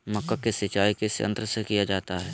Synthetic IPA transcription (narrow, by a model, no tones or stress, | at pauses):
mɐkːəkesɪt͡ʃaːikesɪə̰̃nt̪ɾəsekijad͡ʒaːt̪aɦɛː